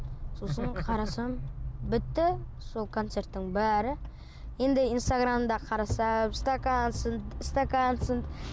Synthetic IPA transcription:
sosəɴqʰɑɾɑsɑmbɪt̪ːɪ | so̞lˠkʰo̞nt̪se̞ɾt̪ːɪŋbæɾɪ | je̞nd̪ɪinst̪aɡɾamd̪ɑqʰɑɾɑsɑst̪akansənd̪ɪst̪akansənd̪

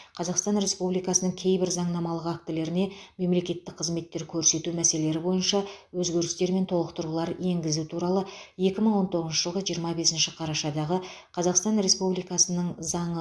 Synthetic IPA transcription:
qʰɑzɑqst̪ɑnɾe̞spublijkɑsənəŋkʲʰe̞jbɪɾzɑɴnɑmɑlˠəqak̚t̪ɪle̞ɾɪne̞me̞mle̞kʲe̞t̪ːɪk̚qʰəzme̞t̪ːe̞ɾkʲʰɵɾse̞t̪umæse̞le̞ɾɪbo̞jənʃɑwɵzɡʲe̞ɾɪst̪e̞ɾme̞nt̪ʰo̞lˠəqt̪əɾulˠɑɾe̞ŋɡʲɪzut̪ʰuɾɑlˠəje̞kʲɪməɴwo̞nt̪ʰo̞ʁəzʃəʒ̥əlˠʁəʒijəɾmɑbe̞sɪnʃɪqʰɑɾɑʃɑd̪ɑʁəqʰɑzɑqst̪ɑnɾe̞spublijkɑsənəɴzɑɴə

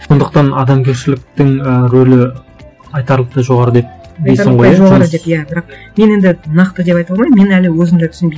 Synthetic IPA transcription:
so̞nd̪əqt̪ɑnɑd̪ɑmkʲʰe̞ɾʃɪlɪk̚t̪ɪŋəɾɵlɪ | ɑjt̪ɑɾlˠəq̚t̪əʒo̞ʁɑɾəd̪e̞p̚d̪ejsɾəɴʁojjʒoʁɑɾəd̪e̞pjæbɪɾɑq̚me̞ne̞nd̪ɪnɑqt̪əd̪e̞pɑjt̪ɑlˠmɑjd̪me̞nælɪwɵzɪmd̪æt̪ʰʏ̥snbe

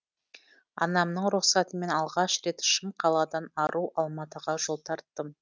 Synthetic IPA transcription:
ɑ̰nɑmnəɴɾʊχsɑt̪əme̞nɑlˠʁɑʃɾe̞t̪ʃɪmqʰɑlˠɑd̪ɑnɑɾʔuʔɑlˠmɑt̪əʁɑʒo̞lˠt̪ʰɑɾt̪ːəm

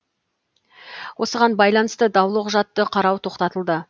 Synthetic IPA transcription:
wʔo̞səʁɑnbɑjlˠɑnəst̪əd̪ɑwlˠəqʒɑt̪ːəqʰɑɾɑwt̪ʰo̞qt̪ɑt̪əlˠd̪ə

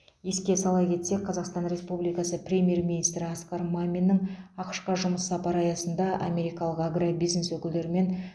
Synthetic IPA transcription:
je̞skʲe̞sɑlˠɑjkʲʰe̞t̪se̞qʰɑzɑqst̪ɑnɾe̞spublijkɑsəprʲe̞mʲije̞rmʲinijst̪ɾɪɑskɑɾmamʲinːɪɴɑqə̥ʃqɑʒʊməsːɑpɑɾɑjɑsənd̪ɑʔa̰mʲe̞ɾijkɑlˠəqaɡrabijzneswɵkʲɪld̪e̞ɾɪme̞n

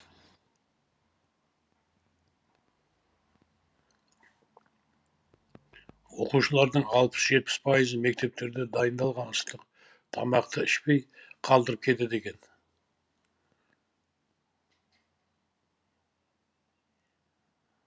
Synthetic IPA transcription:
wo̞quʃəlˠɑɾd̪əɴɑlˠpə̥sʒe̞t̪̚pɪ̥spʰɑjəzəme̞k̚t̪e̞p̚t̪e̞ɾd̪ed̪ɑjənd̪ɑlˠʁɑnəst̪əq̚ | t̪ʰɑ̰mɑqt̪ʰəɪʃpe̞jqʰɑlˠd̪əɾəp̚kʲʰe̞t̪ed̪e̞ɡʲe̞n

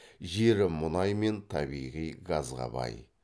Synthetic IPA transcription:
ʒeɾɪmʊnɑjme̞nt̪ʰɑbijʁijɡɑzʁɑ̰bɑ̰j

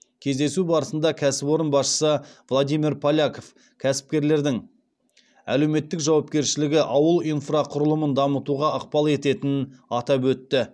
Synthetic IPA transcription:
kʲʰe̞zd̪e̞subɑɾəsənd̪ɑkʲʰæsɪpwo̞ɾənbɑsʃə̥səvlˠod̪ijmiɾpʰalʲakof | kʲʰæsɪ̥p̚kʲe̞ɾle̞ɾd̪ɪŋ | æ̰le̞wme̞t̪ːɪkʒɑwɑpkʲe̞ɾʃɪlɪɡʲɪʔɑwəlˠijnfraqʰʊɾəlˠəmənd̪ɑmət̪uʁɑəq̚pɑlˠe̞t̪e̞t̪ɪnɑt̪ɑpwɵt̪ːɪ

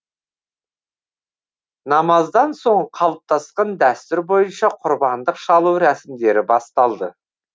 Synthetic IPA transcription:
nɑmɑzd̪ɑnso̞ɴqʰɑlˠəp̚t̪ʰɑsqɑnd̪æst̪ʏɾbo̞jənʃɑqʰʊɾbɑnd̪əqʃɑlˠuwɾæsɪmd̪e̞ɾɪbɑst̪ɑlˠd̪ə

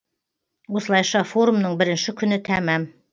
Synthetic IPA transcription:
wo̞səlˠɑjʃɑfo̞ɾumnəɴbɪɾɪnʃɪkʲʰʏnɪt̪ʰæmæm

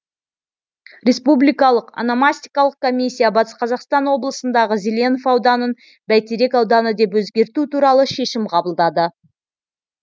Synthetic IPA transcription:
ɾʲe̞spublijkɑlˠəqɑ̰namasʲt̪ijkɑlˠəq̚kʰo̞mʲisʲːijabɑt̪ə̥sqʰɑzɑqst̪ɑnwo̞blˠəsənd̪ɑʁəzelʲe̞nofɑwd̪ɑnən | bæjt̪eɾe̞kɑwd̪ɑnəd̪e̞pwɵzɡʲe̞ɾt̪ut̪uɾɑlˠəʃe̞ʃɪmqʰɑbəlˠd̪ɑd̪ə

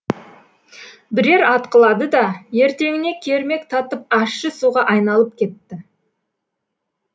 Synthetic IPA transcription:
bɪɾe̞ɾɑt̪qəlˠɑd̪əd̪ɑje̞ɾt̪e̞ŋɪne̞kʲʰe̞ɾme̞kt̪ʰɑt̪əp̚ɑʃːəsuʁɑʔɑjnɑlˠəp̚kʲʰe̞t̪ːɪ

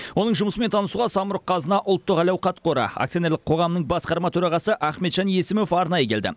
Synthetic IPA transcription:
wo̞nəɴʒʊməsəmet̪ʰɑnəsuʁɑsɑməɾəqʰːɑzənɑʔʊlˠt̪ːəqɑlɑwqʰɑt̪̚qʰo̞ɾɑ̰a̰kt̪ionelɪqʰo̞ʁɑmənəɴbɑsqɑɾmɑt̪ʰɵɾɑʁɑsəʔæχmet̪ʒ̥ɑnje̞sɪmo̞fɑɾnɑjəkʲʰe̞ld̪ɪ̰

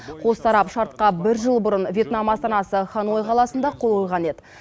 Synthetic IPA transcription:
qʰo̞st̪ɑɾɑpʃɑɾt̪̚qɑbɪɾʒəlˠbʊɾənvʲje̞t̪namɑst̪ɑnɑsəχɑno̞jqʰɑlˠɑsənd̪ɑqʰo̞lˠojʁɑne̞d̪ɪ

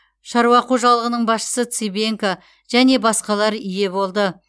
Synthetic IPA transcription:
ʃɑɾwɑquʒɑlˠəʁənəɴbɑsʃə̥sət̪sibe̞ŋka | ʒ̥æne̞bɑsqɑlˠɑɾʏje̞bo̞lˠd̪ə

